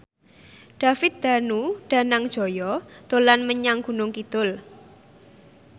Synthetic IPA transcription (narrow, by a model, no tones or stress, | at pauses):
ɖ̥ä̤fɪt̪̚d̪̥ä̤nuɖ̪̥a̤naŋd̥ʒ̥o̤jɔd̪̥o̤lanməɲaŋɡ̥ṳnʊŋkit̪ʊl